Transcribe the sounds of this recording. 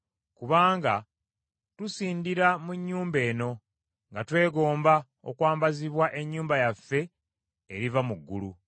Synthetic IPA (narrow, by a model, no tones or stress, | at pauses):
kuβaːŋɡa | tusiːndiɾamuɲːuːmbe̞ːno̞ | ŋɡatwe̞ːɡo̞ːmba | o̞̰kwaːmbaziβwaʔe̞ɲːuːmbajafːe̞ | eɾivamuɡːṵlu